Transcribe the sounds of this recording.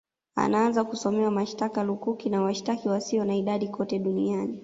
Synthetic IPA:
a̰naanzakusɔmɛwamaʃtakalukukinawaʃtakiwasiɔnaiɗaɗikʰɔtɛɗuniani

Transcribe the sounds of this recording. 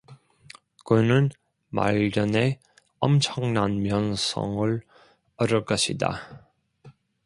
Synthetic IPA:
kɯnɯn | ma̰ʎːʌne̞ | ʌmt͡ɕʰʌŋnanmjʌnsʰʌ̰ŋɯɭ | ʌɾʌk͈ʌɕʰida̰

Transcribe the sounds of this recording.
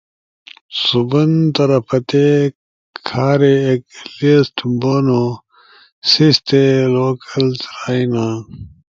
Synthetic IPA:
subɐnt̪ɐɾɐpʰɐt̪e | kkʰaːɾeːk̚lisʈboːno | sist̪eloːkɐlt̪ɾaːina

